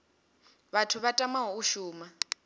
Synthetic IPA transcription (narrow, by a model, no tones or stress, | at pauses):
βatʰuβatʼamaɦɔuʃuːma